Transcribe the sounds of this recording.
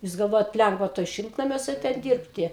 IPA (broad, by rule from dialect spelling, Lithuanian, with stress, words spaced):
jʊs ɡɐlˠˈʋoːjɛt ˈlʲɛŋɡʋɐ toːj ˈʃʲɪlˠtnɐmʲuɔsʲɛ ˈtʲɛn ˈdʲiːrʲpʲtʲɪ